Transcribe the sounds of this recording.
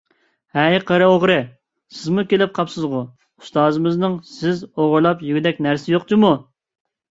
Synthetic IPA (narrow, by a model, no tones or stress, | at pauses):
hɛjqʰəɾɨoʁɾɨ | sɪzmukʲelɪp̚qʰɑpsɨzʁʊ | ust̪ɑːzɨmɨznɨŋsɪzoʁʊɾlˠɑpjyɡʲid̪ɛk̚ʲnæɾsɪjoq̚t͡ʃ̪ʰɨmu